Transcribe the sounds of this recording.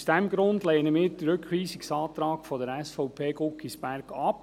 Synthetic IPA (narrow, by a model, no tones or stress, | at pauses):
sd̥ɛmɡ̥ɾʊnd̪leːnəmɪːɾdɾøkʰʋiːsɪksɑːt̪ɾɑːkfɔdəɾɛsfɔʊpʰeːɡʊkːisb̥æɾɡɑp